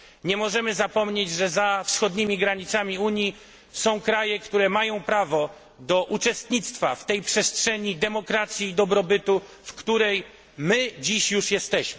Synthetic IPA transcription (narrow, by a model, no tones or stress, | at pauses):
ɲɛmɔʐɛmɘzapɔmɲed͡ʑʐɛzafsxɔd̪ɲimʲiɡɾaɲit̪samʲiuɲji | sɔ̃w̃kɾajɛkt̪uɾɛmajɔ̃w̃pɾavɔ | d̪ɔʔut͡ʂɛst̪ɲit̪st̪faft̪ɛjpʂɛstʂɛɲid̪ɛmɔkɾat̪sʲjiːd̪ɔbɾɔbɘt̪u | fkt̪uɾɛj | mɘd͡ʑiɕjuʂjɛst̪ɛɕmɘ